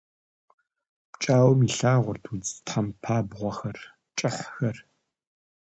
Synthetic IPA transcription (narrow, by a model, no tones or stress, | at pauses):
t͡ʃʼaːwmiɬaːʁʷʊrtʰud͡ztħampʰaːbʁʷɔxɐr | t͡ʃʼɪħxɐr